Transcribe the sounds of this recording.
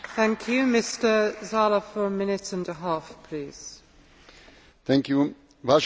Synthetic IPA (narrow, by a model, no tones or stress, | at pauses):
θæ̃ŋkʰjʉmɪstəzɑləfəɹəmɪ̃nɪtə̃ndəɦɑˑfpʰl̥iːz̥ | θæ̃ŋkju | vaʃ